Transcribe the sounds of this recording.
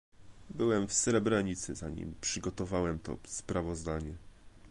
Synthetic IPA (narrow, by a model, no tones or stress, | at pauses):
bɘwɛmfsɾɛbɾaɲit̪sɘzaɲḭmpʂɘɡɔt̪ɔvawɛmt̪ɔ̰spɾavɔzd̪aɲɛ